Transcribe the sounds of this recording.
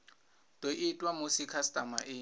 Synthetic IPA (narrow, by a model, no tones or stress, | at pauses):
tʼoʔɪtʼwamosikʰastʼamaʔɪː